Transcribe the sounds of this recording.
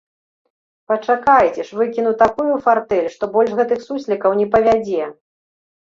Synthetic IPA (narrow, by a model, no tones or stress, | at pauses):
pɐt͡ʂakajt͡sʲɛʂvɨkʲin̪ut̪akujufart̪ɛlʲʂt̪ɔbɔlʲʐɣɛt̪ɨxsusʲlʲikɐwnʲɛpɐvʲad͡zʲɛ